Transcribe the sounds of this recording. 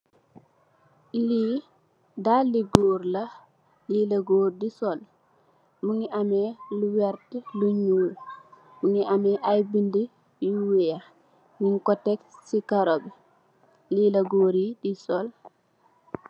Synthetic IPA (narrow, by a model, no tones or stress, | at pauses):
liː | daliɡoːɾla | lilaɡoːdisɔl | muŋiʔamɛluwɛɾtiluɲuːl | muŋiʔamɛʔajbindi | jiuweja | miŋkɔtːɛksikaɾobi | liːlɐɡoːɾidisɔl